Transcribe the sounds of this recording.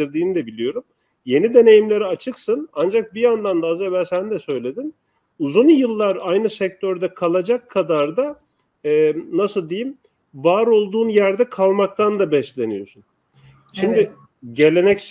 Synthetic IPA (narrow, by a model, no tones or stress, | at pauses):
iɾd̪iːnid̪ɛbilʲijo̞ɾum | je̞nid̪e̞ne̞jimlʲe̞ɾiat͡ʃʰɯksɯnand͡ʒak̚bijand̪and̪aazebæɾsænd̪ɛsø̞jlʲe̞d̪in | uzunjɯlˠːaɾajnɯsɛc̚t̪ʰøɾd̪ɛkʰalˠad͡ʒakʰːad̪aɾd̪a | ɛnasɯlˠd̪ejim | vaːɾo̞lˠd̪uːnjæɾd̪ɛkʰalˠmakt̪ʰand̪abɛʃlʲe̞nijo̞sun | ʃimd̪ɪ | ɟe̞lʲe̞nɛc